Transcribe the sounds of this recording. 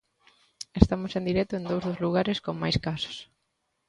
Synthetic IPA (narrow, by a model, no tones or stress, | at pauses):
est̪amosẽnd̪iɾɛt̪ʊend̪owzðozluɣ̞aɾeskoŋmajskasʊ̥s